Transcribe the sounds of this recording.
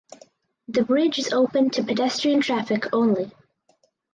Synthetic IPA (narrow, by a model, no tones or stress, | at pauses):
ðəbɹɪd͡ʒɪzoʊpə̃ntʰəpʰədɛstɹ̥iə̃ntʰɹ̥afɪkʰõʊ̃nli